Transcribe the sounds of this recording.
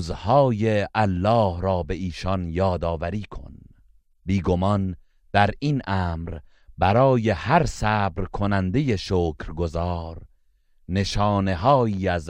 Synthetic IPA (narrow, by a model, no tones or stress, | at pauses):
zhɒːjeʔælːɒːhɾɒːbe̞ʔiːʃɒnjɒːd̪ɒːvæɾiːkʰo̞̰n | biːɡomɒn | d̪̥æɾinʔæːmɾ | bæɾɒːjehæɾsæːbɾkʰonænd̪e̞jeʃoːkʰɾɡozɒːɾ | ne̞ʃɒːne̞ɦɒːiːæz